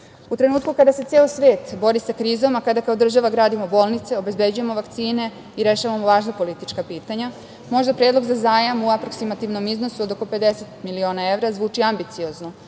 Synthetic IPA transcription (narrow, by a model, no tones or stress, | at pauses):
ut̪ɾe̞nuːt̪̚kukad̪aset̪elosʋeːt̪bo̞ɾisakɾiːzo̞makad̪akaod̪r̩ʒaʋaɡɾaːd̪imo̞bo̞ːlˠnit̪se̞o̞be̞zbe̞d͡ʑuje̞mo̞ʋakt̪siːne̞ | iɾe̞ʃaʋamoʋaːʒnapo̞lit̪it͡ʃkapiːt̪aɲa | mo̞ʒd̪apɾeːd̪lo̞ɡzazaːjamuapɾo̞ksimat̪iʋno̞mizno̞suod̪o̞ko̞pe̞d̪ese̞t̪milio̞ːnae̞ʋɾazʋuːt͡ʃiambit̪sio̞zno